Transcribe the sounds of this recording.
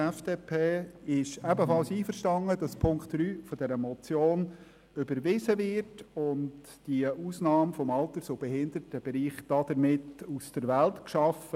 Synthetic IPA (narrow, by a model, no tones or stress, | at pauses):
ɛfd̥eːpʰeːɪʃɛbəfɑlsiːfəɾʃtɑŋəd̥ɑspʰʊŋktɾyːfɔdɛɾəmɔt͡sjoːn | ʏbəɾʋɪzəʋɪrtʊnt | d̥iəʔuːsnɑːmfɔmɑltəɾsobɛhɪnd̥̪əɾtəb̥eɾiːχd̥ɑd̥̪əɾmɪtusd̥əɾʋæltkʃɑfə